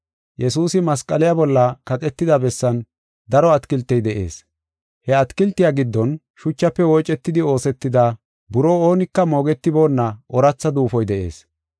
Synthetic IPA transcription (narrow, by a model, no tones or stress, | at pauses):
jɛsuːsɪmɐskʼɐlɪjabɔlːɐkɐt̪ʼɛt̪ːɪd̪ɐbɛsːɐn | d̪ɐɾɔɐt̪kɪlt̪ːɛjd̪ɛʔḛːs | hɛɐt̪kɪlt̪ːɪjaːɡɪd̪ːɔn | ʃʊt͡ʃːɐpːɛwɔjt͡ʃʼːɛt̪ːɪd̪ɪo̞ːsɛt̪ːɪd̪a | bʊɾoːoːnɪkːɐmo̞ːɡɛt̪ːɪbo̞ːnːɐʔɔɾɐt͡sːɐd̪uːfɔjd̪ɛʔe̞̰ːs